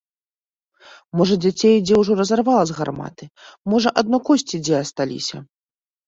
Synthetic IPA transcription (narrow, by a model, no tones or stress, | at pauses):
mɔʐɐd͡zʲat͡sʲejd͡zʲɛwʐɔɾɐzarvalˠɐzɣarma̰t̪ɨmɔʐɐʔad̪̚nɔkɔsʲt͡sʲid͡zʲɛɐst̪alʲḭsʲɐ̰